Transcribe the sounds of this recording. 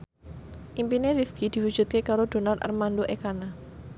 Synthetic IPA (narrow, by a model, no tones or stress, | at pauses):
ʔimpineɾifɡ̥id̪̥i̤wu̥d͡ʒ̥ut̪̚kekaɾod̪̥o̤nara̰rmandoʔekana